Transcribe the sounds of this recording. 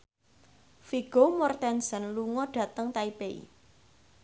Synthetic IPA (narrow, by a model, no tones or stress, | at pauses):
fiɡ̥omɔrt̪ɛnsənluŋɔɖ̥ä̤t̪əŋt̪aipeḭ